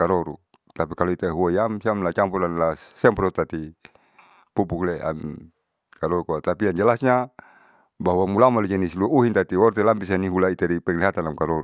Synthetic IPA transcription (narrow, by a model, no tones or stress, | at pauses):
kaɾɔɾṵ | t̪apikaloit̪aɦuaijamsiamlat͡ʃampulanlasːɛmprɔt̪at̪i | pupuklea̰n | kaɾɔɾukuat̪apiaɲd͡ʒalasɲa | baɦuwamulamaled͡ʒanisiluauɦint̪at̪iɔrt̪ɛlampis̬aniɦulait̪aɾipɛŋliɦat̪anlamkaɾɔɾu